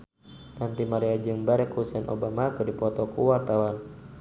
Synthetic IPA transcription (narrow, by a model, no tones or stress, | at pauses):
nant̪imaɾiad͡ʒɨŋbaɾɛkusɛnʔo̰bamakɨdipɔt̪ɔkṵwart̪awan